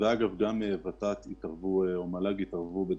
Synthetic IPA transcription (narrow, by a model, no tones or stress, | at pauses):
veaɡavɡamevat̪at̪it̪aʁvueomalaɡitaʁvube